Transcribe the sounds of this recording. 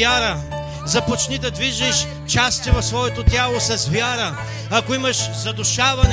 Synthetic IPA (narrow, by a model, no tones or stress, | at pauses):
aɾə | zɐpot͡ʃnid̪ɐd̪viʒɛʃ | t͡ʃast̪ivɐfsvɔɛt̪ot̪ʲjalˠosɐzvʲjaɾə | ɐkoimɐʃzɐd̪ʊʃavɐn